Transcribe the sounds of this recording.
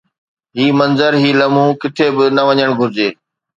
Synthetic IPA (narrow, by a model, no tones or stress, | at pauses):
ɦiːmɐ̃nzəɾɦiːlɐmũːkɪt̪ʰeːbɪnɐʋɐɲəɽ̃ɡʱʊɾɪd͡ʑeː